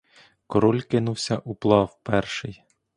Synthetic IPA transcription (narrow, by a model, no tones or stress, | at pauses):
kɔɾɔlʲkɪnuwsʲɐʔuplˠɑwpɛrʃɪj